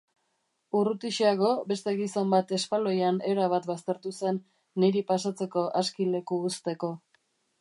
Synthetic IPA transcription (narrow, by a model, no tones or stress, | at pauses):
urut̪iʃiaɣo̞be̞st̪e̞ɣiso̞mbat̪e̞spalo̞jane̞ɾaβ̞at̪bast̪e̞ɾt̪use̞nː | iɾipasat͡se̞ko̞ʔaskile̞kuːst̪e̞ko̞